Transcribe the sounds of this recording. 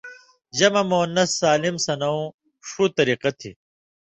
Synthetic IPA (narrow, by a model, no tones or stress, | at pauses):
ʑɐmɐmonːɐsːaːlimsɐnɐũ | ʂut̪ɐɾiːqɐt̪ʰḭ